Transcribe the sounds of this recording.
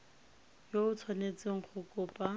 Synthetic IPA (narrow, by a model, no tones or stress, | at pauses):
joʊt͡sʰwanet͡sɪŋ̩χʰʊkʼʊːpʼa